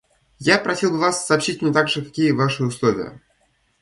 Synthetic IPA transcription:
japɾɐsʲilˠbɨvasːɐːpɕitʲmʲnʲɪt̪aɡʐɨkɐkʲijəvaʂɨʊslˠovʲɪ̰jə̰

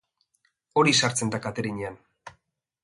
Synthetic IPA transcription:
o̞ɾisaɾt͡se̞nd̪akat̪eɾiɲean

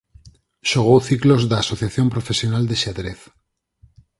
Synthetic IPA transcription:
ʃoɣ̞owθiklozðaːsoθjaθjo̞mpɾofesjo̞nald̪eʃaðɾeθ

